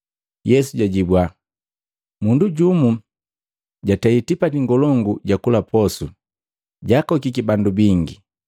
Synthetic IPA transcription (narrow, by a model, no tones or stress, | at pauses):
jɛsuɟaɟibwa | munduɟumu | ɟataitipatiŋɡɔlɔŋɡuɟakulapɔsu | ɟakɔkikibandubiŋɡi